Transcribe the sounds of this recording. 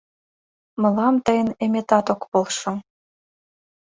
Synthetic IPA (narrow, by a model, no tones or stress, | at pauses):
mɤ̆lɑmt̪ɤ̆jə̆nemʲet̪ɑt̪okpolˠʃɤ̆